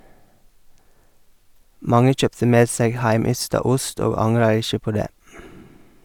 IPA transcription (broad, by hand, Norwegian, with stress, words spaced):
ˈmɑŋə ˈc͡çœptə ˈmeːd ˈseːɡ ˈhæɪˌmʏstɑ ˈʊst ˈoːɡ ˈɑŋɾɑ ˈɪʃə ˈpoː ˈdeː